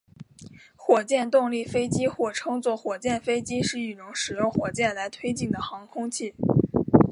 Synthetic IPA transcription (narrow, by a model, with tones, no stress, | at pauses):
xwɔ˨˩t͡ɕjɛ˥˧nt̪ʊ˥˧ŋli˥˩fe˥ɪt͡ɕi˥xwɔ˥˩ʈ͡ʂʰɤ˥ŋt͡swɔ˥˩xwɔ˨˩t͡ɕjɛ˥˩nfe˥ɪt͡ɕi˥ʂɻ̩˥˩i˨˩ʈ͡ʂʊ˧˥ŋʂɻ̩˨˩jʊ˥˧ŋxwɔ˨˩t͡ɕjɛ˥˩nla˧˥ɪt̪ʰwe˥ɪt͡ɕi˥˩ŋd̪ə˩xɑ˧˥ŋkʰʊ˥ŋt͡ɕʰi˥˩